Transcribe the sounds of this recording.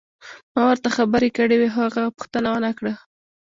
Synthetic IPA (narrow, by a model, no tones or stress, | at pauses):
mɑwəɾt̪axabəɾekəɽeweɦaɣapʊ̥xt̪ənawənakɽə